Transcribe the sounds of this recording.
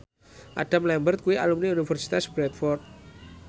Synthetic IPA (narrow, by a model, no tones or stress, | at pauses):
ʔa̰ɖ̥a̤mlɛmbərt̪̚kuwiʔalumniunifɛrsi̥t̪asbɾɛt̪̚fɔrt̪̚